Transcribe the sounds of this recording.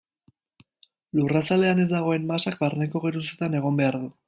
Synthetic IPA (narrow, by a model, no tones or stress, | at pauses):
lurasale̞ane̞z̬d̪aɣ̞o̞e̞mmasak̚baɾne̞ko̞ɣeɾuset̪ane̞ɣ̞o̞mbe̞aɾðu